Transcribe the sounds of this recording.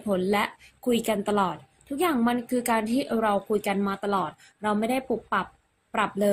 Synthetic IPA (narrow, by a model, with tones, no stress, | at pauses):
pʰo˩˦nlɛ˦˥ʔkʰu˧jka˧nt̪a˧lɔː˨˩t̪̚ʰːu˦˥k̚jaː˨˩ŋma˧nkʰɯː˧kaː˧nt̪ʰiː˥˩ɾa˧wkʰu˧jka˧nmaː˧t̪a˧lɔː˨˩t̪̚ | ɾa˧wma˥˩jda˥˩jpu˨˩k̚pːa˨˩p̚ː | ɾa˨˩p̚lɤː˧